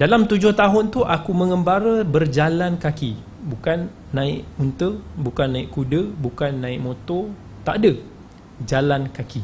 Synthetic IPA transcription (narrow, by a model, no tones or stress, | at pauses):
dalamt̪ud͡ʒʊht̪aɦʊnt̪uʔakumə̃ŋəmbaɾəbərd͡ʒalankaki | bukanː | ãɪʔunt̪əbukanːãɪʔkudəbukanːãɪʔ̚mõt̪ɔ | t̪aʔadə | d͡ʒalankaki